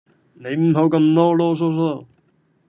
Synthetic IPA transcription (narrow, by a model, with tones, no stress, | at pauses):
ne˨˧jm̩˨˥ɦo˨˥wkɐ˧mt̪ɔː˥lɔː˥s̬ɔː˥s̬ɔː˥˩